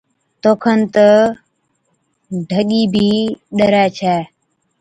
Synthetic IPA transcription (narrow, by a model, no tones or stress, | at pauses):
t̪oːkʰənt̪ə | ɖʱəɠiːbʱiːɗəɾɛːt͡ʃʰɛː